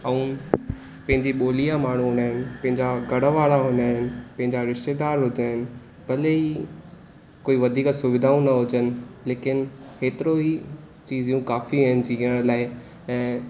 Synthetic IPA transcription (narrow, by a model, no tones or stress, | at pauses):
ɐũ | pɐ̃ɦɪɲd͡ʑiɓoːlijamaːɳ̤uɦõːnaːɦɪnɪ̆pɐ̃ɦɪ̃ɲd͡ʑaɡɐɽəʋaːɭaɦõːnaːɦɪnɪ̆pɐ̃ɦɪ̃ɲd͡ʑaɾɪʃt̪ed̪aːɾɦʊd̪ʱaːɦɪnɪ̆ | bɐlei | koːiʋɐd̪ʱiːksʊʋɪd̪ʱaːũnɐɦʊd͡ʑənɪ̆leːkɪnkeːt̪ɪɾoɦi | t͡ɕiːzjũkaːfiɦənɪ̆d͡ʑiəɽ̃laːɪ | ɛ̃ː